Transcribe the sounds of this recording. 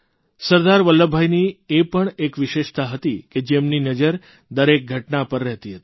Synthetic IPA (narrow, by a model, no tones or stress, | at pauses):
səɾd̪aɾʋəlːəbʱajniepəɳekʋɪʃeʃt̪ʰaɦət̪iked͡ʒemninəd͡ʒəɾ | d̪əɾek̚ɡʱəʈnapəɾːɛɦt̪iɦət̪i̥